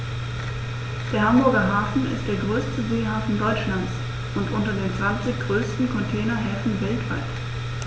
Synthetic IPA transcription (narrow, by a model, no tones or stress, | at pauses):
d̥eːɐhambʊɐɡɐɦaːfn̩ɪ̰st̚d̥eːɐɡʁøːstəzeːhaːfn̩dɔʏt͡ʃlant͡s | ʔʊntʔʊntɐdeːnt͡sv̥ant͡sɪçɡ̥ʁøːstn̩kʰɔntʰɛːnɐɦɛːfn̩vɛltv̥aɪt